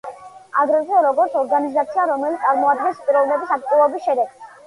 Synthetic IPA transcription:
aɡɾɛzɔɾɔɡɔɾt̪sʰɔɾɡanizat̪sʰiaɾɔmɛlit̪ʼaɾmɔad̪̚ɡɛnspʼiɾɔvnɛbisakt̪ʼulˠɔbisʃɛd̪ɛɡ

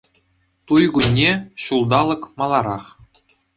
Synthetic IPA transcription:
t̪ujɡunʲːeɕulˠd̪ɑlˠɤ̆kmɑlˠɑɾɑχ

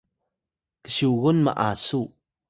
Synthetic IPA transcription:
kə̥siwɣʊnmə̰ʔaːsu

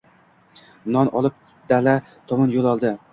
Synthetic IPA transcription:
nɒnʔɒlˠɪp̚ | d̪̥ala | t̪ʰɒmɒnjolˠɒlˠd̪ɪ

